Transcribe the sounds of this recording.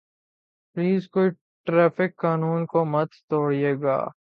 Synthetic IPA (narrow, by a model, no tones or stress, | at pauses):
pliːzkoːi | ʈɾɛːfɪkːaːnuːnkomɐt̪t̪oːɽijeːɡa̰ː